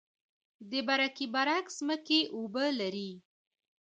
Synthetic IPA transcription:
d̪əbaɾakibaɾakz̥məkeʔobəlaɾi

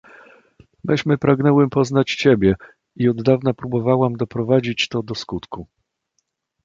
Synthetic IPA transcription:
mɘɕmɘpɾaɡnɛwɛmpɔznat͡ɕt͡ɕɛbʲjɛ | iɔd̪ːavnapɾubɔvawamd̪ɔpɾɔvad͡ʑit͡ɕt̪ɔd̪ɔskut̪ku

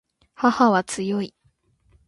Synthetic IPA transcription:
hahaβat͡sɨjoi

